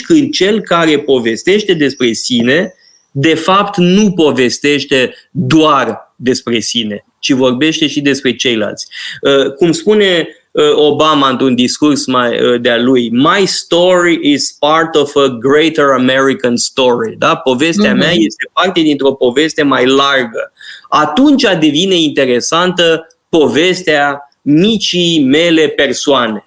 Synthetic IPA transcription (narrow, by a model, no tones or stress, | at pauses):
kɨnd̪̚t͡ʃe̞lkaɾe̞po̞ve̞st̪e̞ʃt̪e̞d̪e̞spɾe̞sine̞ | d̪e̞fapt̪nupo̞ve̞st̪e̞ʃt̪e̞ | d̪oard̪e̞spɾe̞sine̞ | t͡ʃivo̞rbe̞ʃt̪e̞ʃid̪e̞spɾe̞t͡ʃe̞jla̰lt̪sʲəkumspune̞ | əo̞bamaɨnt̪ɾund̪iskursmajə̰d̪ealujmajst̪o̞ɾiʔiz̥part̪ovəɡɾejt̪əɹəmeɾikanst̪o̞ɾid̪apo̞ve̞st̪eameaje̞st̪e̞part̪ed̪int̪ɾo̞po̞ve̞st̪e̞majlarɡəat̪unt͡ʃʲad̪e̞vine̞int̪e̞ɾe̞sant̪ə | po̞ve̞st̪ea | mit͡ʃijme̞le̞pe̞rsoane̞